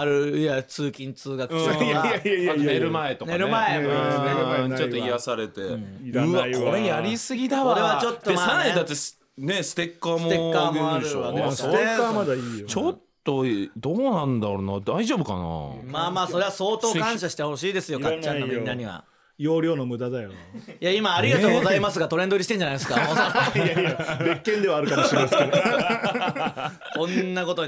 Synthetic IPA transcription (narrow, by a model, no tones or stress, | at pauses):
aɾɯ̟jat͡sɨːkʲĩnt͡sɨːɡakɯ̥ | ane̞ɾɯ̟maet̪o̞kneaɾɯmaẽ | t͡ɕõt̪oijasaɾe̞t̪e̞ɯβakʰo̞ɾe̞jaɾʲisɨɡʲit̪aβaβat͡ɕot̪ːdːoesaɾaɲid̪at̪ːe̞s | ne̞sɨ̥t̪e̞kːaːmoeaːmoaɾɯansoamad̪ait͡ɕo̞t̪ːo̞d̪oːnãnd̪aɾonad̪aiʑoːbɯ̟ka̰na̰maːmaːso̞ɾe̞βaso̞ːt̪o̞ːkãɰ̃ɕaɕi̥t̪eho̞ɕiːd̪e̞sɨjo̞kat͡ɕːãnːoɡinaɲ̟iβa̰ | joːɾʲjo̞ːnomɯ̟d̪ad̪ajojaimaːɾʲiɡat̪o̞ːɡo̞zaimas̬ɨɡat̪o̞ɾenoɾit̪eɲ̟d͡ʑanajd̪esɨ̥kaoːo | bekːẽ̞nd̪e̞βaːɾɯkamoɕiɾmase | kõ̞nːako̞t̪o